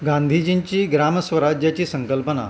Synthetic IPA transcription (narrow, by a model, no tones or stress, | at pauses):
ɡãnd̪ʱid͡ʑiɲt͡ɕiːɡɾaməsʋəɾad͡ʑjat͡ɕiːsəŋkəlpəna̰